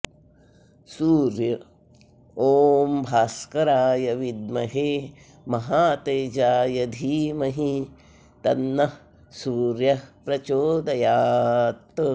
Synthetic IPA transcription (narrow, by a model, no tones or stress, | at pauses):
suːɾjɐ | oːmbʱaːskɐɾaːjɐʋid̪̚mɐɦeː | mɐɦaːt̪eːd͡ʒaːjɐd̪ʱiːmɐɦi | t̪ɐnːɐ | suːɾjɐpɾɐt͡ʃoːd̪ɐjaːt̪